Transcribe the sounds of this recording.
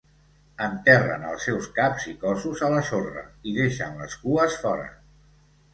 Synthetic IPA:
ənt̪ɛrə̰nə̰lˠsɛwskapzikɔsuzələsorə̰iðeʃənləskuəsfɔɾə̰

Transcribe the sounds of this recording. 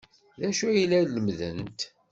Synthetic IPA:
ðæʃujlæləmðə̰nt̪

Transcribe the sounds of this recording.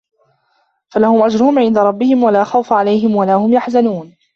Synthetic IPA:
falahʊmʔad͡ʒɾʊhʊmʕɪnd̪aɾˤɑbːɪhɪmwalaːxawfaʕalajɦɪmwalahʊmjaħzanuːn

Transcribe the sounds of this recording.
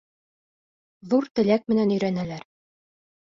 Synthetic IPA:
ðuɾt̪ɘ̆lʲæk̚mɘ̆nænɵ̆jɾænælæɾ

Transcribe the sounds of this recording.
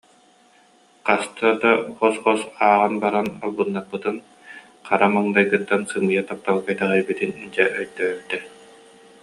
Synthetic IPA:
qast̪ad̪abɔsχɔsaːʁɯnbaɾanalˠbɯnːat̚pɯt̪ɯn | qaɾamɯŋd̪ajɡɯt̪ːansɯmɯjat̪ap̚t̪alˠkajt̪ɛʁɛjbit̪inid͡ʒɛʔœjd̪œːɾd̪ɛ

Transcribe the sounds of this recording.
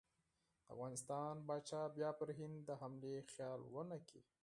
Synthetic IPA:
d̪̥əa̰fɣɑnɪst̪ɑnbɑt͡ʃɑbjɑpəɾɦɪnd̪d̪əhamlexjɑlwənakḭ

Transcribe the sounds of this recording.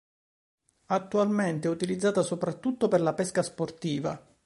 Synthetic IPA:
at̪ːualment̪eɛut̪ilid̪zːaːt̪asopɾat̪ːut̪ːoperlapɛskasport̪iːva̰

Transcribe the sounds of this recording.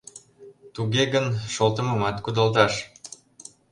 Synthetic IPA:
t̪uɣeɣənʃolt̪ə̆məmɑt̪kud̪ɑlt̪̬ɑʃ

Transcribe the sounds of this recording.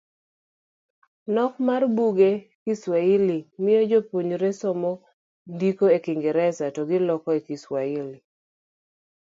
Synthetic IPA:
nɔkmarbuɡekiswailimɪjɔd͡ʒopoɲɾesɔmɔ | dikoekɪŋɡeɾɛsatɔɡɪlɔkɔekiswaɪli

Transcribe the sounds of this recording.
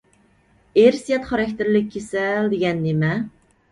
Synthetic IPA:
eɾsijɛt̪χɑɾɑkʲt̪ʰɪɾlɪkʲʰːesɛld̪eɡʲɛnːemɛ

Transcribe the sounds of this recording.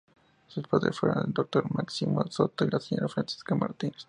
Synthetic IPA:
suspaðɾesfweɾõ̰neld̪ok̚t̪oɾmaksimosot̪oilaseɲo̞ɾafɾansi̥skamaɾt̪ines

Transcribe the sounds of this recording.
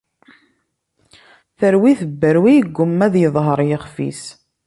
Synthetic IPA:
θəɾwiθəbːəɾwijəɡʷːʊmːæðjəðˤɦəɾˤjəχfḭs

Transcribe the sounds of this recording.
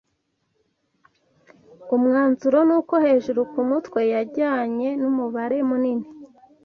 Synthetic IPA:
umŋaːnzuɾo̞nuːko̞he̞ːʒuɾukumutwe̞jaɾɟaːɲe̞numuβaɾe̞munini

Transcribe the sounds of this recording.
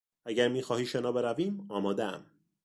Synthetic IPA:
æɟæɾmiːxɒːhiːʃenɒːbe̞ɾæviːmɒːmɒːd̪eæ̰m

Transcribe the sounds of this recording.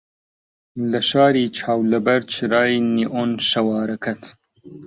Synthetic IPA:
lɐʃaːɾiːt͡ʃʰaːwlɐbɐɾt͡ʃʰiɾaːjniʔonʃɐwɑːɾɐkʰɐt̪ʰ

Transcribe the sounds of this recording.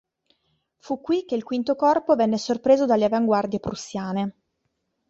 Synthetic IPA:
fukːwik̟ːeilkwint̪okɔrpovɛnːesorpɾeːzod̪alːeavaŋɡward̪jepɾusjaːne

